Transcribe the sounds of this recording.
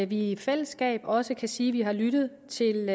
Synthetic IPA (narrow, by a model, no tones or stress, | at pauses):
ʋifel̰əsɡ̥ɛ̰ːb̥ɒ̽səkʰæsiːʋiɦɑ̈lyɾ̥ð̩ˠ | t͡sʰe̝l